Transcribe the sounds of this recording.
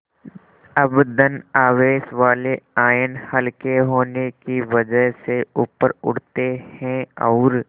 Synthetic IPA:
ɐbd̪ənaːʋeːʃʋaːleaːjənhɐlkeɦoːnekiʋɐd͡ʒəɦseuːpəɾʊ̰ɽ̤t̪ehɛ̃ɔːɾ

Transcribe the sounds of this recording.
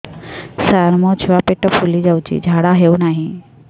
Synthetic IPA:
saɾmõt͡ʃʰuʋapeʈəpʰulid͡ʒawt͡ʃḭːd͡ʒʱaːɽaɦeũnaːɦĩ

